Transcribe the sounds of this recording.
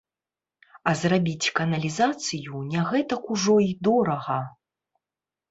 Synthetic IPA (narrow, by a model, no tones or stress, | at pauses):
ɐzrabʲit͡sʲkɐnɐlʲizat̪sɨjunʲaɣɛt̪ɐkuʐɔid̪ɔɾɐɣɐ